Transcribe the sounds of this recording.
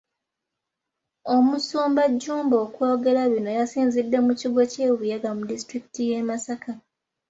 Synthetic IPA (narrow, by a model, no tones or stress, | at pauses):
o̞musoːmbaɟːuːmbo̞ːkwo̞ːɡe̞ɾaβino̞jasiːnzidːe̞muciɡo̞ceːβujaɡamudistɾiki̥tijemasaka